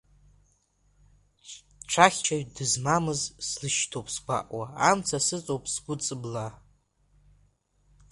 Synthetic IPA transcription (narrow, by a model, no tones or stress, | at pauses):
ʈ͡ʂʷʰaχʲt͡ʃʰaɥdɨzmamɨzslɨʃtʰowpʼsɡʷa̰ʔʼwaamt͡sʰasɨt͡sʼowpʼsɡʷʊt͡sʼɨbla